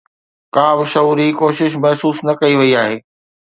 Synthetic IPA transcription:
kaːbɪʃɐuːɾikoːʃɪʃ̬mɐɦsuːsnɐkɐiʋɐiaːɦeː

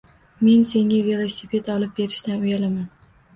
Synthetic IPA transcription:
me̞nse̞ŋavelˠosipʰe̞t̪ɒlˠɪp̚be̞ɾɪʃt̪anʊjalaman

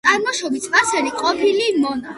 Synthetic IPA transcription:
aɾmɔʃɔbisʰpʼasɛɾiqʼɔpʰilimɔna

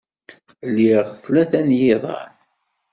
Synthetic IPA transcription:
lːiʁθlæθænjɪðˤɑ̰ɾ

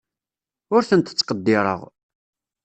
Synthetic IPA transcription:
ʊɾθənt̪ə̥t͡sːqəd̪ːɪɾˤə̰ʁ

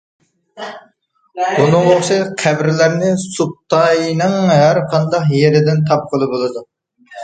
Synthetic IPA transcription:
bunɨŋʁoχʃɪqʰæbɾɪlæɾnɪsup̚t̪ʰɑjnɨŋɦæɾqʰɑnd̪ɑqjeɾɪd̪ɪnt̪ʰɑp̚qʰəlˠɨbolˠɨd̪u

